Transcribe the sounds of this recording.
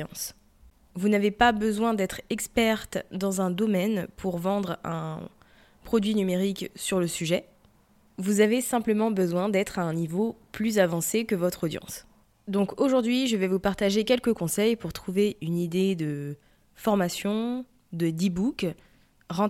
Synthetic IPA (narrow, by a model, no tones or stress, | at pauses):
s | vunavepabəzwɛ̃d̪ɛt̪χɛkspɛʁt̪d̪ɑ̃zɛ̃d̪ɔmɛnpʰuʁvɑ̃d̪ʁɛ̰̃ | pχɔd̪ɥinymeʁiksyʁləsyʒɛ | vuzavesɛ̃pləmɑ̃bəzwɛ̃d̪ɛt̪χaɛ̃nivoplyzavɑ̃sekəvɔt̪χod̪jɑ̰̃s | d̪ɔ̃koʒuʁd̪ɥiʒəvɛvupaʁt̪aʒekʲɛlkəkɔ̃sɛjpuʁt̪χuveynid̪ed̪ə | fɔʁmasjɔ̃ | d̪əd̪ibuk | ʁɑ̃